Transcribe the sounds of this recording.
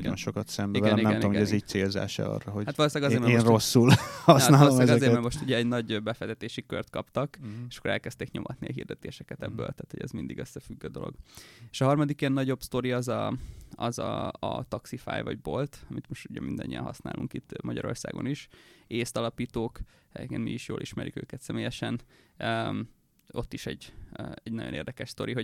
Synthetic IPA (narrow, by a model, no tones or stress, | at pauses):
ɔ̰nʃokɒt̪sɛmbiɛniɛɡɛnmɡɛziːc̚t̪seːlza̰ːʃɛ̰ɒ̰rːɒɦo̞ɟhat̪ʋɒloːsaːɡɒzeːɾmɛːnro̞sːulhɒsnaːloːosaɡɒzeːɾmɛɾmo̞ʃt̪uɟɛːɟnɒɟbɛfɛzɛt̪eːʃikø̰rt̪kɒpt̪ɒkeʃɒ̥kːoɾɛlkɛst̪eːkɲo̞̰mɒt̪niɒɦḭrd̪ɛt̪eːʃɛkɛt̪ɛbːø̰ːlt̪aːt̪hoɟɛ̰zmind̪iɡøsːɛfyɡːøːd̪o̞̰lo̰ɡ̥e̥ʃɒɦɒrmɒd̪ikjɛnːɒɟo̞bst̪o̞ɾiɒzɒɒzɒɒt̪ɒksifa̰ːjvɒɟbolt̪ɒmit̪moʃt̪uɟɛmind̪ɒɲːḭjɛ̰nɒsnaːlʔuŋkit̪ːmɒɟɒɾo̞rsaːɡo̞̰niʃeːst̪ɒlɒpiːt̪oːk | ɛɟḛːkeːnmiiʃjoːlʔiʃmɛɾʔikø̰ːkɛt̪sɛmeːjɛʃɛnø | o̞t̪ːiʃɛɟɛɟnɒ̰ɟonḛːrd̪ɛkɛʃst̪oɾiɦo